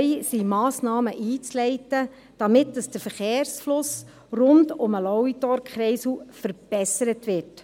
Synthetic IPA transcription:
jsimɑːsnɑːməʔiːt͡slɛɪtə | d̥ɑmɪt̚d̥ɑsd̥əɾfəɾχeːrsflʊs | rʊndʊməlɔwitɔɾkʰχɾɛɪsufəɾb̥ɛsəɾətʋɪt

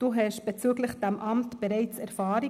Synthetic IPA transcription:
d̥uːɦɛʃb̥ɛt͡syːɡləxd̥ɛmʔɑmtb̥ɛɾɛɪt͡sɛɾfɑːɾi

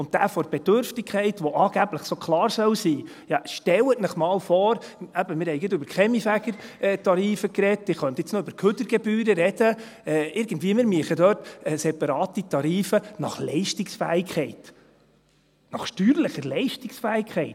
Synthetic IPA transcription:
ʊnt̚d̥̪æːfɔɾb̥ed̥øɾftɪkχɛɪtʋoʔɑːɡ̥æbləχsokʰlɑːɾsœwsiː | jɑʃtɛwətnəχmɑːlfɔːɾæbəmɪɾhɛjɡɪdtʏbəɾkχɛmifæɡəɾɛtɑɾiːfəkɾɛtːɪχœntɪt͡snoøbəɾkʰøtəɾɡ̥ɛbyːɾəɾɛd̥ə | ɛɪɾɡ̥ən̩tviːəmɪɾmyəχədøːtːsɛpɑɾɑːtitɑɾiːfənɑ̰χlɛɪʃtɪksfæːɪkʰχɛɪt | nɑχʃtyːɾləχəɾlɛɪʃtɪksfæːikʰχɛɪt

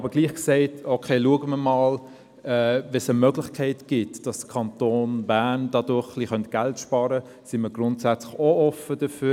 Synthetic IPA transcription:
ɑbəɡliːχkseɪtokʰeːluəɡəməmɑːl | ɛːvɛsəmœɡlɪχkʰɛɪtɡ̥ɪtd̥ɑsd̥ə̥kʰɑntoːnbæːnd̥ɑdʊχliχœntɡ̥æltʃpɑːɾə | sɪnməɡrʊntsæt͡slɪχoɔfəd̥əfyː

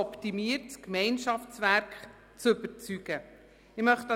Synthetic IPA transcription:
ɔptimiəɾtskmɛɪnʃɑft͡svæɾkχ | t͡sʏbəɾt͡syɡ̥ə | ɪmœχtdɑ

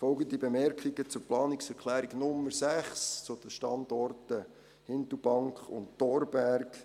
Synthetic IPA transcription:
fɔlɡədibemɛrkχiɡət͡sʊɾplɑːniksɛkʰlæːɾiɡnʊmːəɾsæχssod̪̥əʃtɑndɔrtə | hɪntub̥ɑŋkχʊ̰ntd̥ɔɾbærk

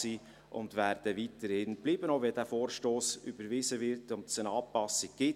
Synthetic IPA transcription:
iː | ʔʊ̰ndʋæːɾd̥əvitəɾɪnb̥liːbənoʊvɛdæːfoːɾʃtoːsyb̥əɾviːsəvɪɾtʊmsənɑːpɑsiɡ̥ɪ

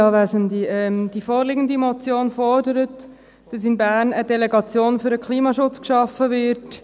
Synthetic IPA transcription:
ɑːʋæsəndiɛmd̥ifoːɾlɪːɡən̩dimɔt͡sjoːnfɔɾdəɾət | d̥ɑsɪnbæːɾnəd̥ɛleɡɑt͡sjoːnfyɾəkʰliːmɑʃʊt͡skʃɑfəvɪɾt

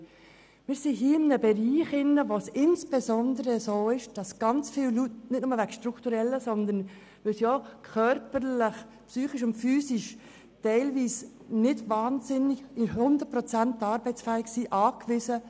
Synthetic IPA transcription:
mɪːɾsiɦiːɪmnəbɛɾiːχɪnːəʋoːsɪnsb̥ezɔndəɾəsoːɪʃd̥ɑsɡ̥ɑnt͡sfiːllytnɪtnʊməʋæɡʃtɾukʰtuɾɛlːəsɔnd̪ən | vɪlsjokʰœɾpələχ | psyːχɪʃʊntfyːsiʃ | tɛɪlviːs | nɪdvɑːnzɪnɪɡɪhʊnd̪ət̚pɾɔt͡sæntɑɾbɛɪt͡sfɛːɪksiʔɑːkʋɪzə

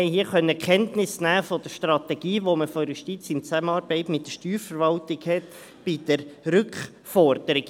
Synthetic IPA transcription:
ɛɪɦiːəχœnːəkʰɛntnɪsnæːfod̥̪əʃtrɑt̪ɛɡ̥iːʋoməfoɾjuʃtit͡sɪmt͡sæmənɑːɾbɛɪtmɪt̚d̥əʃtyːɾfəɾvɑltɪɡhɛt | b̥ɪd̪̥əɾɾʏkχ | fɔrd̪̥əɾik

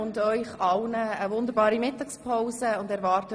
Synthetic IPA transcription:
ʊndœʏχɑlnəːʋʊnd̪əɾbɑːɾimɪtːɑkspʰɔʊsəʊndɛɾʋɑːrtə

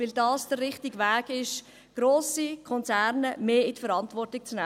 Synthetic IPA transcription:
ɪldɑːsd̥ərːɪχtiɡʋæːɡɪʃ | ɡ̥ɾoːsikʰɔnt͡sæɾnəmeːɪtfəɾɑntvɔrtɪk̚t͡snɛ

